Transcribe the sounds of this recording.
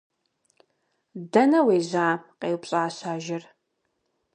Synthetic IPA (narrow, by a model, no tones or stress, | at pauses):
dɐnɐweːzʷaːqeːwpɕʼaːɕaːʒɪr